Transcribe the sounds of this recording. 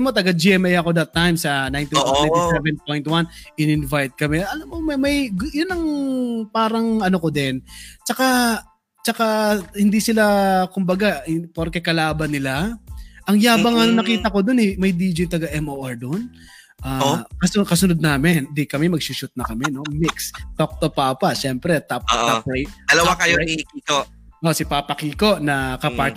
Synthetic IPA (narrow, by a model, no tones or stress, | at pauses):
mot̪ɐɡad͡ʒiʔɛmɛjɐko̞d̪ɐt̪ːajmsɐnajnt̪iwanɛjt̪isɛvɛnpojnt̪wanʔɪnɪnvajt̪̚kɐmɛɐlamomɐmɐjjʊnːɐŋpaːɾɐŋɐnokod̪ɛnt͡ʃɐka | t͡ʃɐkahɪnd̪isɪlakʊmbɐɡapoɾkɛkɐlaːbɐnːɪlaʔɐŋjaːbɐŋɐnɐnɐkiːt̪ɐko̞d̪onɛjmɐjd̪iːd͡ʒɪjt̪ɐɡɐʔɛmʔoːʔɛɹd̪on | ʔaːkɐskɐsʊnod̪̚naːmɪnd̪ɪkɐmɛmɐɡ̚suʃʊt̪̚nɐkɐmɛno̞mɪkst̪ok̚t̪opaːpɐʃɛmpɾɛt̪ap̚ːt̪ap̚ɾejt̪̚d̪ɐlɐwakɐjoikiːko | ʔosɪpaːpɐkiːko̞ʔnɐkɐpaɾt̪